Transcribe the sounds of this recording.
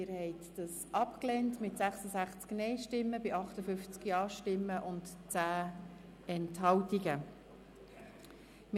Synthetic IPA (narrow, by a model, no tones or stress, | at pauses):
ɪɾhɛɪtd̥ɑsʔɑpklɛntmɪtsæχsəzæχt͡sknɛɪʃtɪmːəbɪʔɑχtəfʏft͡skjɑːʃtɪmːəʔʊntt͡sæː | ɛnthɑwtiɡə | m